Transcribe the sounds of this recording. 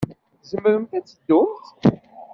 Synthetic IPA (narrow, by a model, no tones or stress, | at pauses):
zəmːəɾəmt̪æt͡sːəd̪ːʊmt̪